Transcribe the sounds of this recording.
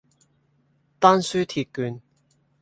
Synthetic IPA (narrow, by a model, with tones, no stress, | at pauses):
t̪aː˥nsyː˥t̪ʰi˧t̚kyː˨˧n